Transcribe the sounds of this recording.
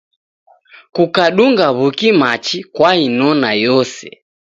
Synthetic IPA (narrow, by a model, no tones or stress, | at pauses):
kukaɗuŋɡaβukimat͡ʃikwainɔnajɔsɛ̰